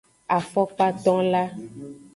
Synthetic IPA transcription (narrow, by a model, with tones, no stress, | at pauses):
a˨fɔ˦k͡pa˦t̪ɔ̃˦la˦